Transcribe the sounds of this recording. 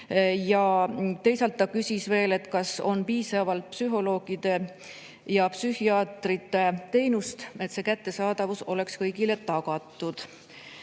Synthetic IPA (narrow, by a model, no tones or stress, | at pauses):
jɑt̪e̞jsɑlt̪ːɑkysʲisve̞ːle̞t̪kɑso̞̰npiːsɑvɑlt̪̚psyɦo̞lo̞ːɡ̥id̪̥e̞ | jɑpsyhiɑːt̪rit̪ːˑe̞t̪e̞jnust̪e̞t̪se̞ːkæt̪ːe̞sɑːd̪ɑvuso̞le̞kskɤjɡile̞t̪ɑɡɑt̪ːˑud̪̥